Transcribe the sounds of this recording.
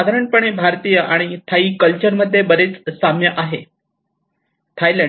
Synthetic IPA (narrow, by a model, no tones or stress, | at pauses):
ad̪ʱaɾəɳpəɳ̃ebʱaɾt̪iːjəʔaɽ̃it̪ʰaiːkəlt͡ɕəɾməd̪ʱːjebəɾet͡ssamjəʔaɦe | t̪ʰajlə